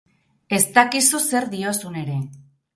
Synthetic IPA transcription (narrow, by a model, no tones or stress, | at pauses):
e̞st̪akisuse̞ɾd̪io̞sune̞ɾe̞